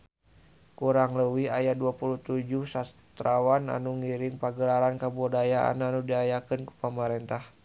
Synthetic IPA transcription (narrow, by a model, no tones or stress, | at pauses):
kuɾaŋləwiajaduapulut̪ud͡ʒuhsas | t̪ɾawana̰nuŋiɾiŋpaɡəlaɾankabɔdajaa̰nanudiajakənku̥pəmaɾɛnt̪ah